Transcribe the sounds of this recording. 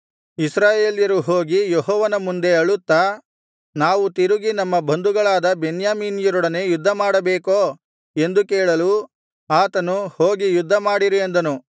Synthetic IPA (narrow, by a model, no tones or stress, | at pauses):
isɾaːjeːljɐɾuɦoːɡijeɦɔːʋɐnɐmund̪e̞ɐɭut̪ːa | naːʋut̪iɾuɡinɐmːɐbʱɐnd̪uɡɐɭaːd̪ɐbenjaːmiːnijɐɾɔɽɐne̞ːjud̪ʱːɐmaːɽɐbeːkoː | e̞nd̪ukeːɭɐlu | aːt̪ɐnuho̞ːɡijud̪ʱːɐmaːɽiɾiend̪ɐnu